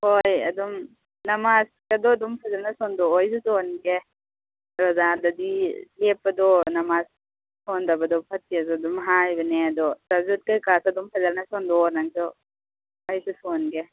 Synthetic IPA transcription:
hojɐ̰d̪ɔm | nɐmaskad̪ɔd̪ɔmpʰazalnasɔnd̪ɔːjsutɔnɡe | ɾɔzad̪ad̪ilepːad̪ɔnɐmas | sɔndabad̪ɔpʰɐt̚ːiazɔd̪ɔmɦajbaneɐd̪ɔtazut̪̚kajkasad̪ɔmpʰazalnasɔndɔɾnaŋsɔ | ajsusɔnɡe

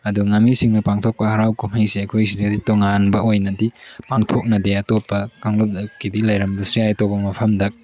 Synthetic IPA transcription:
ɐduŋɐmːisiŋnɐpaŋtʰok̚pɐhɐɾawkumhɐjsiɐjkʰojsidɐditoŋanbɐojnɐdipaŋtʰok̚nɐdeɐtopːɐkaŋlup̚dɐkːidilɐjɾɐmbɐsɾijajtok̚ɐmɐpʰɐmdɐk̚

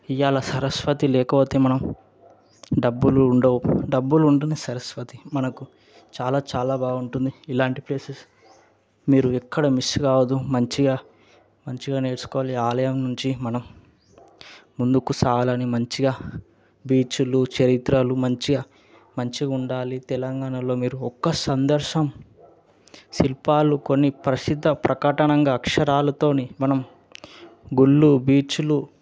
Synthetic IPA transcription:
ijaːlɐsɐɾɐsʋɐt̪ilɛːkɐpoːt̪e̞ːmɐnɐm | ɖɐbːuluːɳɖɐːwɖɐbːuluɳʈunesɐɾɐsʋɐt̪imɐnɐku | t͡ʃaːlaːt͡ʃaːlaːbaːɡuɳʈund̪iilaːɳʈipleːses | miːɾuɛkːɐɽɐmiskaːwɐd̪ːumɐɲt͡ʃiɡaː | mɐɲt͡ʃiɡaːne̞ːɾsu̥kɔːʋaliaːlɐjɐmnuɲt͡ʃimɐnɐm | und̪ukusaːlɐnimɐɲt͡ʃiɡaː | biːt͡ʃulut͡ʃɐɾit̪ɾɐlumɐɲt͡ʃiɡaː | mɐɲt͡ʃiɡuɳɖaːlit̪ɛlɐŋɡaːɳɐlo̞ːmiːɾuɔkːɐsɐnd̪ɐɾʃɐm | silpaːluko̞nːipɾɐsid̪ʱːɐpɾɐkɐʈɐɳɐŋɡaːkʂɐɾaːlɐt̪o̞ːnemɐnɐm | ɡuɭːubiːt͡ʃulu

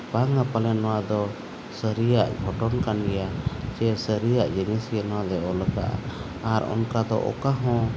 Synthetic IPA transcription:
paŋapalɛnɔwad̪ɔ | səɾijaʔɡʱɔʈɔnkanijad͡ʒɛsəɾijaʔd͡ʒɛnisɛnɔwad̪ɛɔləka̰ʔa̰ | aɾɔ̰nkad̪ɔ̰ʔɔ̰kaɦɔ̃

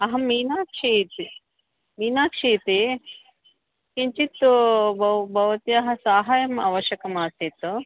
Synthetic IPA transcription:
ɐɦɐmiːnaːkʂiːt̪i | miːnaːkʂiːt̪i | kiɲt͡ʃit̪ːubɐbʱɐʋɐt̪iɐɦɐ̆saːɦaːjɐma̰ːʋɐʃjɐkɐmaːsit̪u

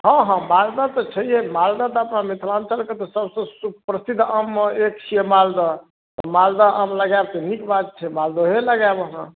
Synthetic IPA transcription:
ɦə̃ɦə̃mald̪at̪ɔt͡ʃʰəjɛmald̪at̪ɔəpnamit̪ʰlant͡ʃʰəlket̪ɔsəbsə̃supɾəsid̪ʱːəmek̚t͡ʃʰiemald̪ɔ | t̪ɔmald̪aʔəmləɡajbt̪ɔnikbad̪̚t͡ʃʰɛmald̪oɦeləɡabɦə̃

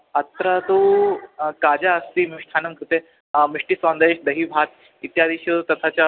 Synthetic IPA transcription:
ət̪ɾat̪u | kad͡ʑaəst̪imiʂʈ̪ʰanɐmkɾut̪e | miʂʈisʋãnd̪eʃd̪ɐɦiːbʱat̪ | it̪jad̪iːɕut̪ɐt̪ʰat͡ɕja

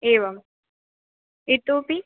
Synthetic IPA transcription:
eːʋɐm | it̪uːpi

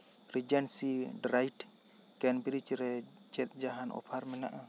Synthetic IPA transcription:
ɾid͡ʒɛnsiɖɾajʈ | kɛnbiɾit͡ʃɾɛ | t͡ʃɛt̪̚d͡ʒaɦanʔɔ̰pʰaɾmɛna̰ʔa

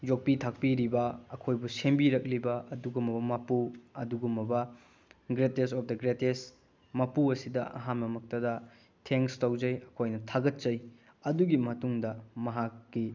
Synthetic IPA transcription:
d͡ʒok̚pitʰak̚piɾibɐɐkʰojbusembiɾɐk̚libɐɐduɡumɐbɐmɐpuɐduɡumːɐbɐ | ɡɾetesɔp̚ʰdɐɡɾetes | mɐpuɐsidɐɐ̰ɦanmɐmɐk̚tɐdɐ | tʰeŋstɐwzɐjɐkʰojnɐtʰaɡɐt̚t͡ʃɐj | ɐduɡimɐtuŋdɐmɐɦakːi

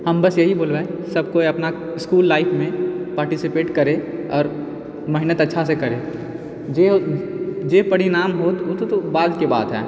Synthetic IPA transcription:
hɐmbɐsjɐɦiboːlɾaesɐb̚koɐpna | ɪskuːlːaːɪfʰmẽpaːɾʈɪsɪpeːʈkɐɾẽɔ̰ːɾ | mɐɦɪnət̪ɐtːʃʰasekɐɾeː | d͡ʒe | d͡ʒeːbɐɽinaːmɦoːt̪ot̪t̪obaːd̪keba̰ːt̪ɦɛ̰ː

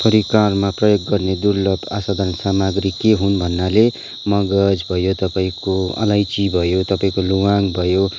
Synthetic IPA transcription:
pʰʌɾikarmaprʌjoɡːʌrned̪urlʌpasad̪ʱansamaɡɾikeɦunbʱʌnːale | mʌɡʌd͡zbʱʌjot̪ʌpaĩkoʌ̰lajt͡sibʱʌjot̪ʌpaĩkoluwaŋbʱʌjo

